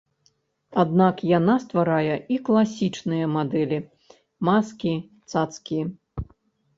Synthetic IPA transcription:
ad̪nakjanast̪vaɾajɐiklˠasʲit͡ʂnɨjɐmad̪ɛlʲi | maskʲi | t̪sat̪skʲij

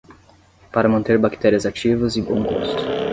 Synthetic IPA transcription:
paɾɐmɐ̃nt̪eɾbakt̪ɛɾiɐzat͡ʃivɐzɪbõw̃ɡo̰st̪ʊ̥

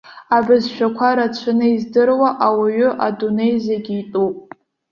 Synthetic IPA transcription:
abɨzʃᶣakʷʰaɾat͡ɕʷʰɨnɨizdɨrwaʔawaɥʏʔadune̞jzeɡʲiitʼupʼ

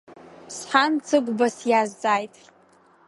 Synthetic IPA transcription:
sħant͡sʰɨɡʷbasjazːaːjtʼ

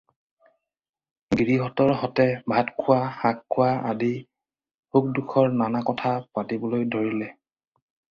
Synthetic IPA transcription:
ɡɹiɦɔtɔɹɦɔtɛbʱatkʰʊwahakʰːʊwaadi | huk̚dukʰɔɹnanakɔtʰapatibɔlojdʱoɹilɛ

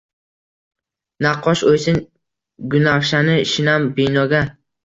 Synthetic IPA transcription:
naqʰːɒʃojsɪn | ɡʊnaχʃanɪʃɪnambɪnɒɡʲa

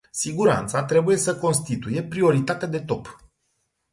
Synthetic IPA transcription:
siɡuɾa̰nt̪sat̪ɾe̞buje̞səko̞nst̪it̪uje̞pɾio̞ɾit̪at̪ead̪e̞t̪o̞p

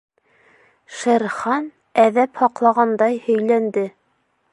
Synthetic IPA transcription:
ʃæɾχɑn | æðæphɑqlˠɑʁɑnd̪ɑjhɵ̆jlænd̪ɘ

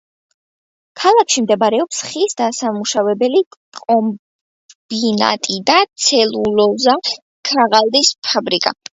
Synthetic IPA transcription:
kʰalˠakʰʃimd̪ɛbaɾɛɔpsχisd̪asamuʃavɛbɛlikʼɔm | bina̰t̪ʼid̪at̪sʰɛlulɔza | kʰaʁalˠd̪ispʰabɾikʼa̰

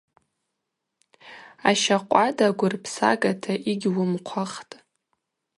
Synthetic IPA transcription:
aʃaqʷʼadaɡʷʊrpʰsa̰ɡʼatʰaʔiɡʲwʊmqʷʰaχtʼ

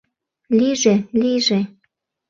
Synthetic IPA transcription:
liʒeliʒe

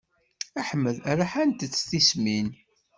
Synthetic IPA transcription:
æħəmːəðæɾaħænt̪ət͡sːθismin

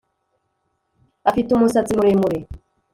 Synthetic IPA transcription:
afitumosatimuɾemuɾe

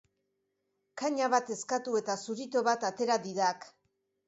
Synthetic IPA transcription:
kaɲaβat̪e̞skat̪ue̞t̪asuɾit̪o̞βat̪at̪e̞ɾad̪iðak

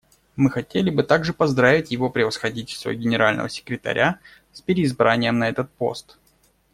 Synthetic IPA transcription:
mɨxɐtʲelʲɪbɨt̪aɡʐɨpɐzd̪ɾavʲɪtʲjɪvo̞pɾʲɪvəsxɐdʲitʲɪlʲst̪və̰ɡʲɪnʲɪɾalʲnə̰və̰sʲɪ̥kɾʲɪt̪ɐ̰ɾʲʔa | spʲɪɾʲɪːzbɾanʲɪjəmnɐɛt̪ət̪̚po̞̰st̪

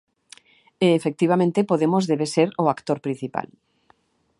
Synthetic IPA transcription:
eːfek̚t̪iβamẽnt̪epoðemozðeβeseɾoakt̪oɾpɾĩn̟θipa̰l

